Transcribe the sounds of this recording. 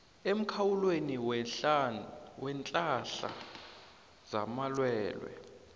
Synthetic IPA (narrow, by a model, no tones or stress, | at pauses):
em̩kʰawulweni | wɛnt͡ɬʼaɬa̰ | z̥a̰malwɛːlwɛ̰